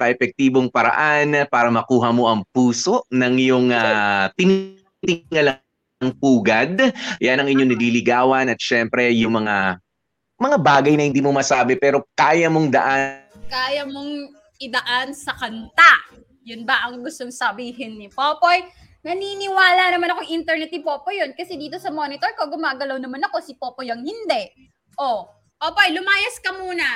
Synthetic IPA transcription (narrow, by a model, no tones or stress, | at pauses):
kɐʔɛfɛk̚t̪iːbo̞ŋpɐɾɐ̰ʔanpaːɾɐmɐkuːɦɐmo̞ʔɐŋpuːso̞ʔnɐŋjʊŋat̪ɪn | t̪ɪŋːɐlɐ | ŋpuːɡɐd̪ɐjanɐŋʔɪɲɲoŋnɐlilɪɡaːwɐnɐt̪̚ʃɛmpɾɛjʊŋmɐŋa | mɐŋabaːɡɐjnɐhɪnd̪iːmo̞mɐsaːbɛpɛːɾo̞kaːjɐmo̞ŋd̪ɐ̰ʔakaːjɐmo̞ŋ | ʔɪd̪ɐʔansɐkɐnt̪a | jʊnbɐʔɐŋɡʊst̪oŋsɐbiːɦɪnːɪpoːpo̞j | nɐninɪwaːlanɐmanɐkoŋʔɪnt̪ɛɹnɛt̪ɪpo̞ːpojonkɐsɛd̪iːt̪o̞sɐmo̞ːnɪt̪o̞ɹkoɡʊmaːɡɐlɐwnɐmanɐko̞sɪpoːpojɐŋhɪnd̪ɛʔ | ʔo | poːpojlʊmaːjɐskɐmuːnɐ